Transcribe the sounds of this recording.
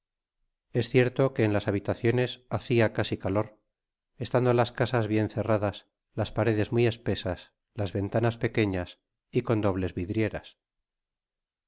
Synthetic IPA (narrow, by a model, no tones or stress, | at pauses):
e̞sθje̞ɾt̪oke̞ːnlasaβ̞it̪aθjo̞ne̞saθiakasikalo̞ɾ | e̞st̪and̪olaskasazβje̞nθe̞raðas | laspaɾe̞ðe̞zmie̞spe̞sas | lazβe̞nt̪anaspe̞ke̞ɲas | iko̞nd̪o̞βle̞zβiðɾje̞ɾa̰s